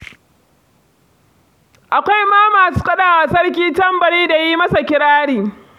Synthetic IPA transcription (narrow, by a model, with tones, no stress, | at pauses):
ʔa˨kʷa˦jmaː˦maː˨suː˦kʼɐ˦ɗaː˦˨wa˨sɐ˦rk̬ʲiː˦tɐ˦mbɐ˨ɽiː˦da˨ji˦mɐ˦sa˨kʲɪ˦ɽaː˦ɽiː˨